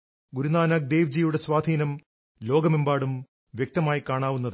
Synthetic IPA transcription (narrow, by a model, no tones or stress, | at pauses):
ɡuɾunaːnaːk̚d̪eːʋd͡ʑijuɽe̞sʋaːd̪ʱiːnɐm | lo̞ːɡɐmembaːɽum | ʋjek̚t̪ɐmaːjikaːɳaːʋunːɐðɨ